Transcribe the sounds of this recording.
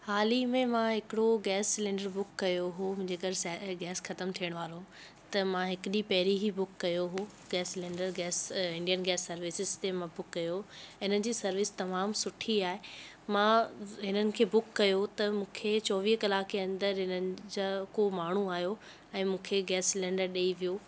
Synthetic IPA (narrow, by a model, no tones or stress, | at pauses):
haːlimẽmãɦɪkɪɽoɡɛːsːɪlɪ̃ːɳɖəɾbʊkːɐjoɦomʊ̃ɦɪ̃ɲd͡ʑekɐɖɡɛːsxɐt̪əmt̪ʰijəɽ̃ʋaːlo | t̪ɐmãɦɪkɪɗipɐɦɾiɦibʊkːɐjoɦo | ɡɛːsɪlẽːɳɖəɾɡɛːsɪ̃ɳɖijənɡɛːsːɐɾʋɪsɪzt̪emãbʊkːɐjoɪnənɪ̆d͡ʑiːsɐɾʋɪst̪ɐmaːmsʊʈʰiaːɦe | mãɦɪnənɪ̆kʰeːbʊkːɐjot̪ɐmũːkʰet͡ɕɔːʋiːɦkɐlaːkeɐ̃nd̪əɾɦɪnənɪ̆d͡ʑakomaːɳ̤uaːɦijo | ɛ̃ːmũːkʰeɡɛːsːɪlẽːɳɖəɾɗeiʋijoː